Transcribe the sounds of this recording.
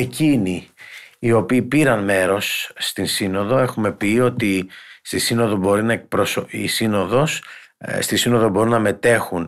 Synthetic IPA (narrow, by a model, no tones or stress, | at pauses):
e̞ciniː | o̞piːpiɾɐnme̞ɾo̞sːt̪insino̞ðo̞e̞xume̞pio̞t̪ist̪isino̞ðo̞bo̞ɾinɐek̚pɾosoḭsino̞ðo̞sst̪isino̞ðo̞bo̞ɾunːɐme̞t̪e̞xun